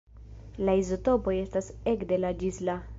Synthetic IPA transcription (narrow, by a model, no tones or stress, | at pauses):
laizoto̞po̞je̞stase̞kde̞lad͡ʒisla